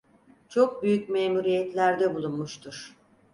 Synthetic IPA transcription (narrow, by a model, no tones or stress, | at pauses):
t͡ʃʰo̞k̚byjycmeːmuɾijɛt̪lʲæɾd̪ɛbulˠunmuʃt̪ʰuɾ̥